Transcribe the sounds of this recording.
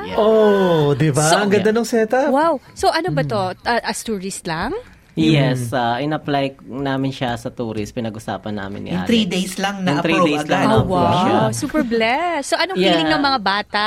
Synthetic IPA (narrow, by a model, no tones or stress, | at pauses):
ʔod̪ɪbaɐŋɡɐnd̪ɐnoŋsɛːt̪ɐwawsoʔɐnobɐt̪o̞ʔɐʔɐst̪uɹɪslaŋ | jɛsaʔɪnɐplajnaːmɪnʃasɐt̪uːɾɪspɪnɐɡʔʊsa̰ːpɐnːa̰ːmɪ̰njʊŋt̪ɾid̪ejslɐŋnɐʊŋt̪ɾid̪eɐslaowaʃasuːpɛɹblɛsːoʔɐnoŋjiɛlɪnɐŋmɐŋabaːt̪ɐ